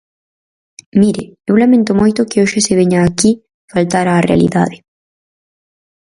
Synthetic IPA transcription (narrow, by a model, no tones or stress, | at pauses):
miɾɪewlamẽnt̪ʊmojt̪ʊkɪoʃɪseβeɲaːki | falt̪aɾaːrḛa̰lḭða̰ðe